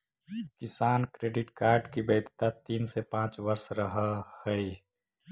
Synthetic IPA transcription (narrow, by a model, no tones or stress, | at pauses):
kɪsaːnkɾeːɖɪʈkaːɾɖkibeːd̪t̪at̪iːnsepãːt͡ʃʋəɾsɾəɦəhəi